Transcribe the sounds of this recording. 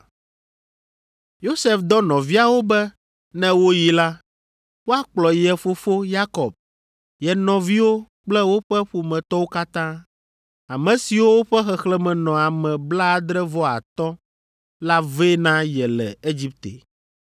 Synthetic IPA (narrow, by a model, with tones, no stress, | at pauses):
jo˦sɛ˦˨fd̪ɔ˦nɔ̃˨vi˦a˨wo˦bɛ˦ | nɛ̃˦wo˦ji˦la˦ | wo˦a˦k͡plɔ˨jɛ˨fo˨fo˦ja˦kɔ˨b̚ | jɛ˨nɔ̃˨vi˦wo˦ | k͡plɛ˦wo˦ɸɛ˦ɸu˨mɛ̃˨t̪ɔ˦wo˦ka˦t̪ã˦ | a˨mɛ̃˨si˨wo˦wo˦ɸɛ˦xɛ˨xlɛ˦mɛ̃˨nɔ̃˨a˨mɛ̃˨bla˦˨d̪ɾɛ˦vɔ˦a˨t̪ɔ˦ | la˦ve˦nã˦jɛ˨lɛ˨e˦d͡ʑi˦p̚t̪ḛ˨